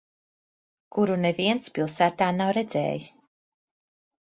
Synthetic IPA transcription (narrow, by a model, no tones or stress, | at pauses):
kuɾuneviɛnt̪spilˠsæːt̪aːnawɾɛd̪zɛ̰ːjis